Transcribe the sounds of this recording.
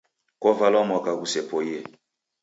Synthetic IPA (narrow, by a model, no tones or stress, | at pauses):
kɔvalɔmɔkakusɛpɔjɛ